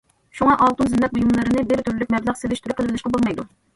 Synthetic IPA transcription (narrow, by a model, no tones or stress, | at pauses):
ʃuŋɑʔɑlˠt̪unzɪmlɛp̚bujumlˠɨɾɨnɨbɪɾt̪ʰyɾylykʲmɛblˠɨχselɪʃt̪yɾupqʰəlˠɪbɪlˠɪʃqɑbolˠmɛjd̪u